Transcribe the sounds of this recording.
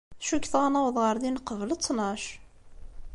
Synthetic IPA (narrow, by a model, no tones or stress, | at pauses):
ʃukθʁanæwðˤʁəɾðinqəvlət͡sːnɑʃ